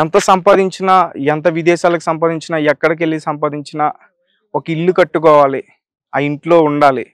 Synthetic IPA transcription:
ɛnt̪ɐsɐmpaːd̪iɲt͡ʃinɐɛnt̪̬ɐʋid̪ɛːʃaːlɐkuisɐmpaːd̪iɲt͡ʃinɐɛkːɐɽɐkelːisɐmpaːd̪iɲt͡ʃinɐ | okɐiɭːukɐʈːukɔːʋaːli | ɐiɳʈlo̞ːuɳɖaːli

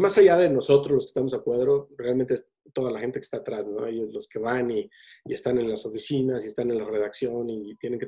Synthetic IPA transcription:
masaʝaðe̞no̞so̞t̪ɾozlo̞skest̪amosakweðɾo̞realme̞nt̪ees | t̪o̞ðalaxe̞nt̪eke̥st̪aːt̪ɾasno̞ajlo̞ske̞βani | est̪ane̞nlaso̞fisinasiest̪ane̞nlare̞ðaksjo̞nit̪je̞ne̞ŋke

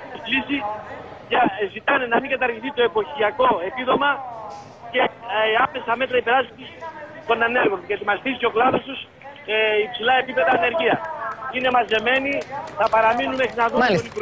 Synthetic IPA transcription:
lisiʝɐzit̪ɐnenɐmiɡɐt̪ɐɾʝiθit̪o̞e̞po̞çiɐko̞e̞piðo̞mɐ | ce̞ɐpesɐme̞t̪ɾɐipeɾɐsit̪ist̪o̞nɐne̞ɾɣo̞ncet̪imɐsθisi̥ceo̞klɐðo̞st̪us | ipsilɐe̞pipe̞ðɐːne̞ɾʝiɐsine̞mɐze̞me̞niθɐpɐɾɐminumexɾinɐðuonipɾ

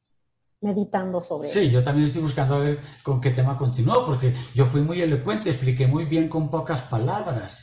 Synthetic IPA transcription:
meðit̪and̪osoβsiʝo̞t̪amjenest̪ojβuskand̪oaβeɾko̞ŋke̞t̪e̞mako̞nt̪inwopoɾkeɟ͡ʝo̞fwimuje̞lo̞kwe̞nt̪eesplike̞mujβje̞ŋko̞mpokaspalaβɾas

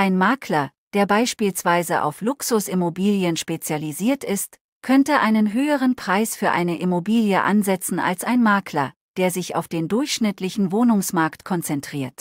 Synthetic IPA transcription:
ʔaɪnmaːkʰlɐ | d̥eːɐbaɪʃpiːlsv̥aɪzəʔa̰ʊflʊksʊsɪmobiːljənʃpet͡sjaliziːɐtɪst | kʰœntəʔaɪnənɦøːəʁ̞ənpʁ̥aɪsfyːɐʔa̰ɪnəʔɪmobiːljəʔa̰nzɛt͡sn̩a̰lsaɪnmaːkʰlɐ̰ | d̥eːɐzɪça̰ʊfd̥eːndʊɐçʃnɪtlɪçn̩voːnʊŋsmaɐktkʰɔnt͡sɛntʁ̥iːɐt

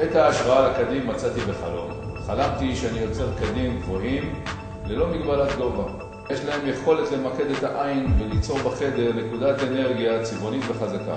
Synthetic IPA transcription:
et̪aːʃʁaalakad̪imːat͡sat̪ibe̞χa̰lo̞̰nχalamt̪iʃeanijo̞t͡se̞ʁkad̪imɡvo̞him | le̞lo̞miɡbalat̪ɡova | jeʃlae̞mje̞χo̞le̞tle̞make̞d̪et̪aʔainvelit͡so̞ʁbaχe̞de̞ʁne̞kud̪atene̞ʁɡijat͡sivo̞nit̪ve̞χazaka̰

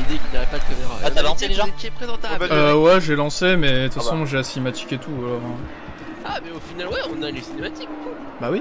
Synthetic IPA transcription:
d̪ekineʁɛpaləkameʁaʁaalɑ̃sed̪ʒakiɛpχezɑ̃t̪apaøwɛʒelɑ̃semɛt̪fasɔ̃ʒeasimat̪i̥ket̪ʰualɔʁ | amɛofinalwɛɔ̃naynsinemat̪ikku | bawi

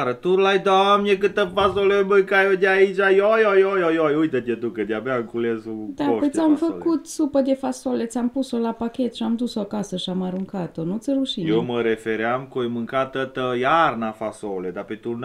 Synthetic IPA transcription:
ɾət̪uɾlajd̪amnʲekɨt̪əfasoleojmɨŋkajod̪ʲeait͡ʃajojojojojojujt̪ət̪et̪ukəd̪ʲabaɨŋkulesupd̪aopt̪amfəkut̪supəd̪efasolet̪sʲampusolapakʲe̞t̪ʃiamd̪usoakasəʃiamaɾuŋkat̪onut̪sʲəɾuʃijeməɾefeɾeamkojmɨŋkat̪ət̪əjarnafasoled̪apet̪urn

